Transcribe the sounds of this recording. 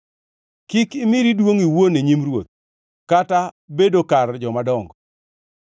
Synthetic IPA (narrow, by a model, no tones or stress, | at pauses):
kɪkɪmiɾidwoŋiwoneɲimɾwot̪̚ | kata | bedokard͡ʒɔmadɔŋɡɔ